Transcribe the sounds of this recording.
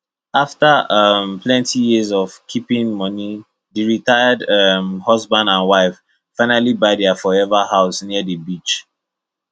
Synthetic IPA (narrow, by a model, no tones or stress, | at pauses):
aftaʌmpʰlɛ̃ntijizɔv̥kʰipĩŋmɔni | deɹitaɪadʌmhʌzbãndãnwaɪf | faɪ̃nalibaɪdafɔɛvahaʊsniədəbit͡ʃ